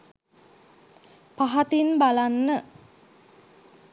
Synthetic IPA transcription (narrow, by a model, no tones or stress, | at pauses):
paɦat̪inbalanːə